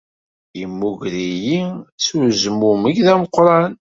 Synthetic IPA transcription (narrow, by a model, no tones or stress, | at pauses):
imːuʝɾijit͡sːuzmumiɡðæməqːɾˤɑn